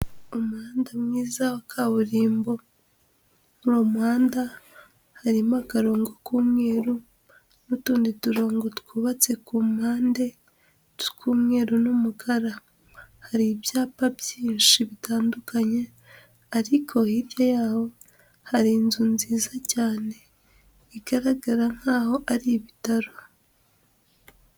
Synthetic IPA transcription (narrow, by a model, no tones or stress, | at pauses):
omuhaːndamŋiːzahokʰaβuɾiːmbo̞ | uɾomuhaːnda | haɾimoakaɾo̞ːŋɡokuːmŋeːɾu | nutuːndituɾo̞ːŋɡotu̥kuβat͡se̞kumaːnde̞ | tkuːmŋe̞ːɾunumukʰaɾa | haɾibjaːpabjiːnʃiβitaːndukaɲe̞ | aɾikʰo̞hiɾjojaːho̞ | haɾinzunziːzacaːne̞ | iɡ̥aɾaɡaɾaŋ̥haːho̞ʔaɾiβitaɾo